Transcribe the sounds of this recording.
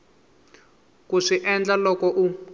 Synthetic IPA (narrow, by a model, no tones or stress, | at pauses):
kuʂiʔɛnd͡ɮalɔkɔʔu